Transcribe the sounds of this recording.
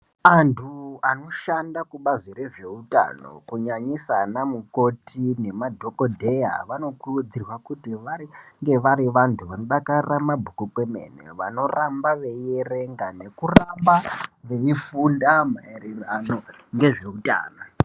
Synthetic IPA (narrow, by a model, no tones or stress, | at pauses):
antʰuano̞ʃandakuɓazʷiɾeʐe̞uta̰no̰kuɲaɲisanamuko̞tʰine̞madʱo̞kodʱeja̰ʋano̞kurud͡zirwakutiʋariŋɡe̞ʋaɾiʋantʰuʋano̞ɗakaramabʱukukemḛnḛʋano̞rambaʋe̞jere̞ŋɡane̞kurambaʋe̞ifundamaeɾiranoŋɡe̞ʐe̞uta̰ːno